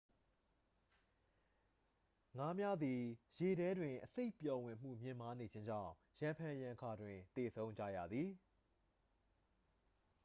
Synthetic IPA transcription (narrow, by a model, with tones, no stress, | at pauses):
ŋa˦mja˦d̪i˨je˨ɾɛ˦dwɪ̃˨ʔəse˦ɪpjɔ˨wɪ̃˨m̥ṵ˦˨mjɪ̃˦˨ma˦ne˨d͡ʑɪ̃˦ɲd͡ʑã̰˦˨ | jã˨mpʰã˨jã˨kʰa˨dwɪ̃˨t̪e˨sʰõ˦ʊ̃ɲd͡ʑa̰˦˨jä̰˦˨d̪ði˨